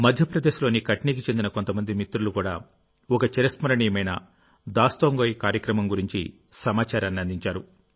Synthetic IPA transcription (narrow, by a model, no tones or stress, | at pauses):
mɐd̪ʱjɐpɾɐd̪e̞ːʃlo̞ːnikɐʈniːk̬it͡ʃe̞nd̪inɐko̞nt̪ɐmɐnd̪imit̪ːɾulukuːɽaː | ɔkɐt͡ʃeɾɐsmɐɾɐɳiːɐmɐjnɐ̰ | d̪aːst̪oːŋɡoːjikaːɾjɐkɾɐmɐmɡuɾiɲt͡ʃḭ | sɐmaːt͡ʃaːɾɐnːiɐnd̪iɲt͡ʃaːɾu